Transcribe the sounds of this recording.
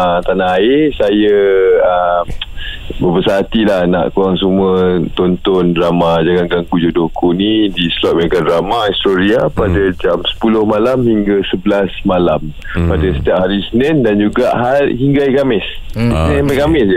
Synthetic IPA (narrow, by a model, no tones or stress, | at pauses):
at̪anaaesajəəmbəbəsaat̪ilahna̰ʔkuɾaŋsumət̪ɔnt̪ɔnramad͡ʒaɡaŋɡaŋkud͡ʒodokunidisəlɔt̪̚maɡanramaist̪oɾiapadəd͡ʒamsə̥pulʊhmalamhiŋɡəsəbəlasmalam | padasə̥t̪iap̚haɾisənɪndand͡ʒuɡaʔɦaɦiŋɡaaikamɪsisənɪ̃nibakamɪsjə